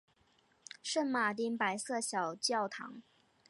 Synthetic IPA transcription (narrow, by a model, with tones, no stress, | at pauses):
ʂə˥˩nma˨˩t̪̬i˧˥npa˧˥ɪsɤ˥˩ɕjɑ˨˩ʊt͡ɕjɑ˥˩ʊt̪ʰɑ̰˧˥ŋ